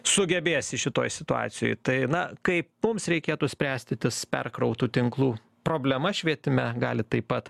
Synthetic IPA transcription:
sʊɡʲɛbʲeːsʲɪʃʲɪt̪oːjsʲɪt̪ʊɑ̰ːsʲɪjo̰ːjt̪ɐɪnɐkɐɪpmʊmsɾʲɛɪkʲeːt̪usʲpʲɾʲæːsʲt̪ʲɪt̪ʲɪspʲɛ̰rkɾɐʊt̪uːt̪ʲɪŋklˠuː | pɾoːbʲlʲɛmɐʃʲʋʲiɛt̪ʲɪmʲɛɡɑ̰ːlʲɪt̪ɐɪpɐt̪

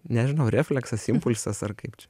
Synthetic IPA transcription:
nʲɛʒʲɪnɐʊɾʲæːfʲlʲɛksɐsɪmpʊlʲsɐsɐrkɐɪpt͡ʃʲɛ

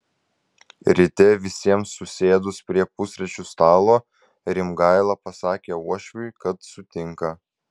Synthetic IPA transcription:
ɾʲɪt̪ʲɛʋʲɪsʲiɛmsːʊsʲeːd̪ʊspʲɾʲiɛpʊsʲɾʲɛt͡ʃʲust̪ɑːlˠoː | ɾʲɪmɡɑɪlˠɑpɐsɑːkʲeːuɔʃʲʋʲʊɪkɐt̪sʊt̪ʲɪŋkɐ

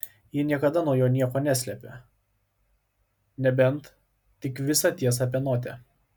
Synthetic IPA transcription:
jɪnʲiɛkɐd̪ɐnuɔjoːnʲiɛkoːnʲæsʲlʲɛpʲe | nʲɛbʲɛnt̪ | t̪ʲɪkʋʲɪsɐt̪ʲiɛs̬ɐpʲɛnoːt̪ʲɛ

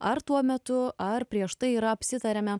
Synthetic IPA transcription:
ɐɾt̪uɔmʲɛt̪ʊɐɾpʲɾʲiɛʃt̪ɐɪiːɾɐɐpʲsʲɪt̪ɐɾʲɛmʲɛ

